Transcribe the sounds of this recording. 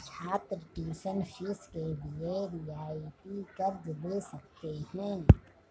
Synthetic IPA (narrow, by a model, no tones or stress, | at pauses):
t͡ʃʰaːt̪ɾəʈiːsənfʰɪskebieɾijaːipikəɾd͡ʒd̪esək̚t̪eɦɛ̃ː